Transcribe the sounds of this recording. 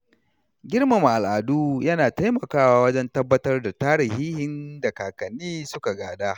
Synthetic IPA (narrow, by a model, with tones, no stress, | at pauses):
ɡʲɪ˦rma˨m˨ʔa˨lʔaː˨duː˦jɐ˦naː˨ta˦jmɐ˨kaː˦waː˦wɐ˦d͡ʒɛ˦ntɐ˦bːɐ˦tɐ˦rda˨taː˦ɽɪ˨hiː˦hɪ˦nda˨kaː˨kɐ˨niː˦sʊ˦ka˨ɡaː˨daː˦